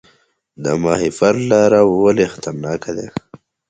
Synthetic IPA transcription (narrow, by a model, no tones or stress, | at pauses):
d̪əmɑhifaɾlɑɾawwəlexḁt̪əɾnɑːkad̪e